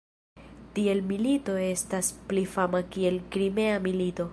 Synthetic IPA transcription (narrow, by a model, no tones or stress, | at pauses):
tie̞lmilito̞e̞stasplifamakie̞lkɾime̞amilito̞